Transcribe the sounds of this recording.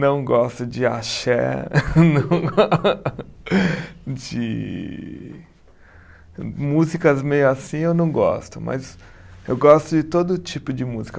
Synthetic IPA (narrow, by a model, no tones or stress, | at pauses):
nɐ̃w̃ɡɔst̪ʊd͡ʒɪa̰ʃɛ̰nɐ̃w̃ | d͡ʒɪ | muzikɐzmejʊasĩewnɐ̃w̃ɡɔ̰st̪ʊmɐ̰zewɡɔst̪ʊd͡ʒɪt̪od̪ʊt͡ʃipʊd͡ʒɪmuzikɐ